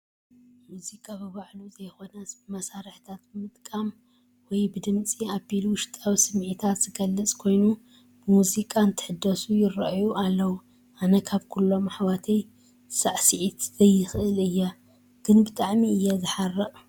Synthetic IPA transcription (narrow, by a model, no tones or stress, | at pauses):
muzikʼabɨβaʕluzɐjxo̞nɐbmɐsaɾɨħt̪ʰat̪bɨmɨt̪ʼkʼam | wɔjbɨd̪ɨmt͡sʼiaβbilwʊʃt̪ʼawisɨmʕit̪ʰat̪z̥ɨɡɐlːɨt͡sʼkʰo̞jnu | bɨmuzikʼant̪ʰɨ̥ħɨd̪ːɐsujɪrɐʔajuʔalːɐwu | ʔanɐkʰaβkʰulːo̞maħwat̪ʰej | saʕsɨʕit̪zɐjːɨxʔɨlɨjːa | ɡ̥ɨnbɨt̪ʼaʕmiɨjːɛzɨħarːɐʔʼ